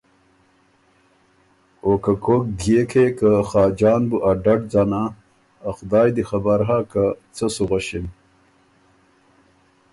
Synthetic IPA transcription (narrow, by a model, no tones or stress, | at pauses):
okakʰok̚ɡekʰekaxaːd͡ʑɑːnbuʔaɖɐʈd͡zanaː | xd̪ɑːjd̪ixɐbaɾɦakat͡səsuʁaɕin